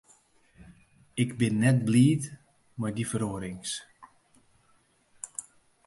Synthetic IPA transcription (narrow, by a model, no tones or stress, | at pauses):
ɪkbɪnːɛt̚bliːt | majdifəɾoəɾɪŋs